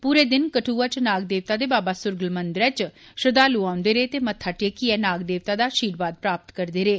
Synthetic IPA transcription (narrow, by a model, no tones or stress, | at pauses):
puːɾeːd̪ɪnkəʈʰuːat͡ʃnaːɡ̚d̪eːʋt̪aːd̪eːbaːbaːsʊɾɡəlmənd̪ɾɛːt͡ʃ | ʃəd̪aːluãːʊnd̪eːɾeːt̪eːmət̪ʰːaːʈeːkiɛːnaːɡd̪eːʋt̪aːd̪aːʃiːɾbaːd̪̚pɾaːp̚t̪kəɾd̪eːɾeː